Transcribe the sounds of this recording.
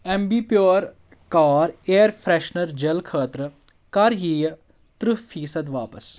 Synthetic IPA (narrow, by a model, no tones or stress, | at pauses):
ɛmbiːpjoːɾ | kaːɾeːɾpʰɾɛːʃnɐɾd͡ʒɐlkʰəːt̪ɾə | kɐɾjiːj | t̪ɾufʰiːsɐd̪ʋaːpəs